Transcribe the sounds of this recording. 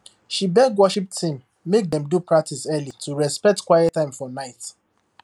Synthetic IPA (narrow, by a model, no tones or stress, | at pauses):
ʃibɛɡwɔʃip̚tʰĩm | mek̚dɛ̃mdupɹak̚tʰisɛlitʰuɹɛspɛk̚tkwajɛtːãɪ̃mfɔnaɪt